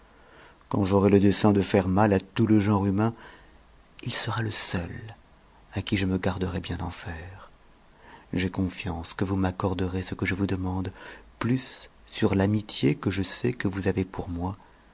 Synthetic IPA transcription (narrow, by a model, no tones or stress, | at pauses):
kɑ̃ʒɔʁɛləd̪ɛsɛ̃d̪əfɛʁmalat̪uləʒɑ̃ʁymɛ̃ | ilsəʁaləsœl | akʲiʒəməɡaʁd̪əʁɛbjɛ̃d̪ɑ̃fɛːʁ | ʒekɔ̃fjɑ̃skəvumakɔʁd̪əʁesəkəʒəvud̪əmɑ̃d̪plysː | yʁlamit̪jekəʒəsɛkəvuzavepuʁmwa